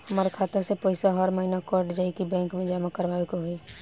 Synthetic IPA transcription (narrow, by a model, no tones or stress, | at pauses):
həmaɾkʰaːt̪esepəɪsaɦəɾməɦɪnakɔːɾʈd͡ʒaikibɛ̃ːŋkmẽd͡ʒaːmakəɾʋaːekoɦoi